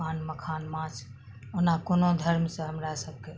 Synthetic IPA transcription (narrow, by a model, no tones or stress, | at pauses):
aːnməkʰanmãt͡ʃʰ | onakonod̪ʱəɾmsə̃ɦəmɾasəb̚ʱke